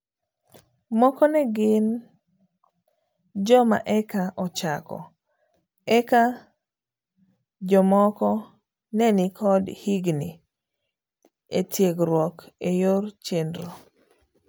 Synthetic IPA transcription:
mɔkɔnɛɡɪn | d͡ʒɔma̰ʔɛkaʔɔt͡ʃakɔ̰ | ɛka | d͡ʒɔmɔkɔ | nɛnɪkʰɔdhiɡni | etʰjeɡɾwɔkejoɾt͡ʃendɾo

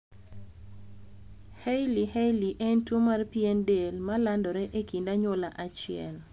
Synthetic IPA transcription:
hejlihejliʔentomarpiendelmalandɔɾɛʔekindaɲolaʔat͡ʃɪɛ̰l

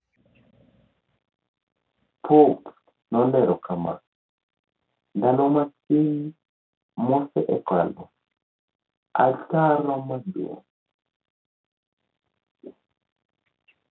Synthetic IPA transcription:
pʰup | nɔndɛɾɔkama̰ | ndalɔmasin | musɛʔɛka̰lɔ | ataɾɔmadṵ

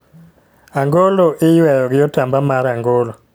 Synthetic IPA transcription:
aŋɡoloʔɪjwɛjɔɡɪotambamaɾaŋɡolo

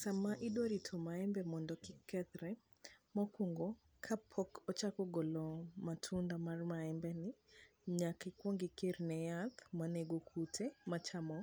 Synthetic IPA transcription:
samaʔidwoɾitʰomaɛmbɛmɔndɔkɪkɛt̪ɾɛ | mɔkuŋɡo | kʰapʰɔkɔt͡ʃakɔɡɔlɔmatʰundamarmaɛmbɛnɪ | ɲakikwoŋɡɪkeɾnɛjat̪maneɡokʰutʰemat͡ʃamɔ

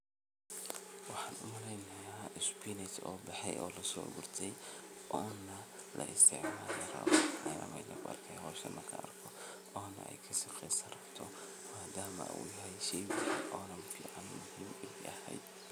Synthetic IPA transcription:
wɑħɑːnʊmɐlɛjnɐjaːɪspinɪt͡ʃɔːbɐħɛjʔɔːlɐsɔ̰ːɡʊrt̪ʰɛjɔːnːɐ | lʔɐ̰ʔɪst̪ʰɪʕmaːlɐɾɐ̰wʊʕɐ̰jɐ̰mɐɪnɐɡʊʔɐ̰rkʰɛjhɔːʃɐnʔɐkʰɐɐ̰rkʰɔ | ʔɔːnːɐ̰ʔɛ̰jkʰɐsɪqɛsɐɾɐbt̪ʰɔ | maːd̪aːmɐ̰ṵjɐɦɛjʃɛjwɪħʔɔːnɐmfḭːʕanmʊhiːmɛʔɐhɛ̰jd̪

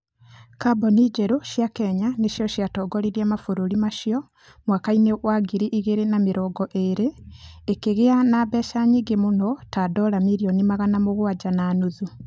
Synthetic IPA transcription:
kabɔnid͡ʒeɾoʃjakɛɲaneʃijɔʃjatɔːɡoɾiɾiamafoɾuɾimaʃiɔ | mwakaineɣwaɡiɾiʔiɣeɾenamiɾɔːɡɔʔeɾeːkeɣeanaːβɛʃaɲiɡemunɔtadɔːɾamiɾijonimaɣanamoɣwaɟanaːnuðu

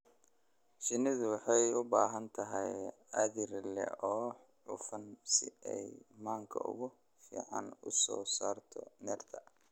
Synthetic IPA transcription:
ʃɪnɪðʊwɑħɑjʊbaːɦɐnt̪ʰɐɦɛj | ɐðɪrlɛ̰ɔː | ʕʊ̰fɐnsɪɛjmaːŋkʰɐʊ̰ɣʊ | fḭːʕɑ̰nʊsɔːsaːrt̪ʰɔnɛːrt̪ʰɐ

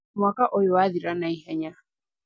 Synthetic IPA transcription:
mwakaʔɔjɔaðiɾanaiɦɛɲa

